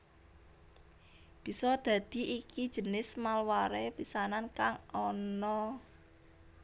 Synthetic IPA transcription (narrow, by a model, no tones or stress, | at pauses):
b̥i̤sɔd̪̥ä̤d̪̥i̤ʔikid̥ʒ̥ə̤nɪsmalwaɾepisanankaŋɔnɔ